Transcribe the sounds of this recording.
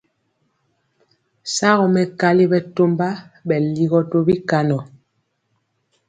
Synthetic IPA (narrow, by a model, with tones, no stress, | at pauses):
sa˦ɣɔ˨mɛ˨ka˦li˦bɛ˨to˦mba˦ɓɛ˨li˦ɣɔ˦to˦bi˦ka˦nɔ˨